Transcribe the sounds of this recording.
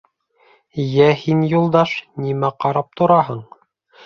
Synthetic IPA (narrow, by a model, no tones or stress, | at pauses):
jæhinjulˠd̪ɑʃnimæqɑɾɑp̚t̪ŏɾɑɦɤɴ